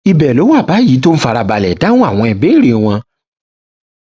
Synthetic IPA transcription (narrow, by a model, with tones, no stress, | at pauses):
i˧bɛ˨lo˨˦wa˦˨ba˨˦ji˨˦to˦n̩˦fa˧ɾa˧ba˨lɛ˨da˨˦ũ˦a˦˨w̃ɔ̃˧ɛ˧be˨˦˨ɾe˧˨˧w̃ɔ̃˧